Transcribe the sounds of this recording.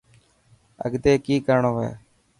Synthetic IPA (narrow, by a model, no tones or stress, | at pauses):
ə̰ɡd̪eːkiːkəɾɳoːʋḛː